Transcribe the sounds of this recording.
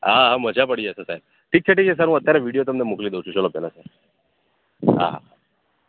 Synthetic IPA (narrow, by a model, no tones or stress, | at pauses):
ɦaɦaməd͡ʑʱapəɽiəsəsajb | ʈʰiːk̚t͡ɕʰeʈiːkt͡ɕʰes̬aɾɦũət̪ːjaɾjaʋiɽijot̪əmd̪emuklid̪ewt͡ɕʰut͡ɕəlopjalasaɾ | ɦã̰ɦa̰